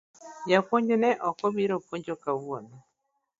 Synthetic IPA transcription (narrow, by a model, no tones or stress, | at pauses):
japoɲd͡ʒonɛʔɔkɔbiɾopoɲd͡ʒokawwonɔ